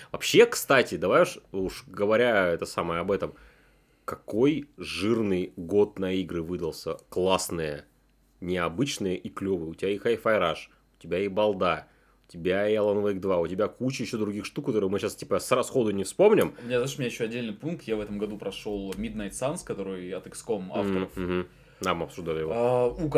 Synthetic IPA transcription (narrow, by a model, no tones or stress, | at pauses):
vɐpɕːe̞kst̪atʲɪd̪ɐvajʲʊʂuʂɡəvɐɾʲaɛt̪əsaməjəɐbɛt̪əm | kɐko̞jʐɨrnɨjɡo̞t̪̚nɐiɡɾɨvɨd̪əlˠsʲə̰klˠasnɨjə̰ | nʲɪɐbɨt͡ɕnɨjəʔiklʲovɨjəʊtʲɪbʲajexaɪfɐɪɾaʂ | ʊ̥tʲɪbʲajebɐlˠd̪a | ʊtʲɪbʲaiɐlˠɐnvəjkd̪vaʊtʲɪbʲakut͡ɕɪjɪɕːod̪ɾʊɡʲixʂt̪ukːɐt̪o̞ɾɨjmɨɕastʲi̥pəsrɐsxo̞d̪ʊnʲɪfspo̞mnʲɪmʊmʲɪnʲazaʂʊmʲɪnʲjɪɕːoɐdʲːelʲnɨjpunk̚t̪javɛt̪əmɡɐd̪upɾɐʂolˠmʲid̪najt̪sanskɐt̪o̞ɾɨjɐt̪ɨkskoma̰ft̪əɾəf̩ɦ̩ | namɐpsʊʐd̪alʲɪjɪvouk